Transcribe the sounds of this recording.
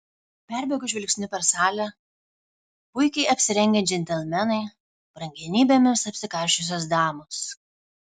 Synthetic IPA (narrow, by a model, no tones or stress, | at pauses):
pʲæˑɾʲbʲɛɡʊʒʲɪlʲkʲsʲnʲʊpʲɛɾsɑːlʲɛ | pʊɪkʲɛɪɐpʲsʲɪɾʲɛŋʲɡʲɛd͡ʒʲɛnʲt̪ʲɛlʲmʲɛnɐɪ | b̥ɾɐŋʲɡʲɛnʲiːbʲemʲɪsɐpʲsʲɪkɐˑɾʲʃʲʊs̬ʲos̬d̪ɑːmʊss